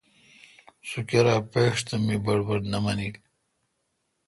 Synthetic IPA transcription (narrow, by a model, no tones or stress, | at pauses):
sukeɾaːpeːʂt̪ɐmibɐɽbɐɽnamɐnil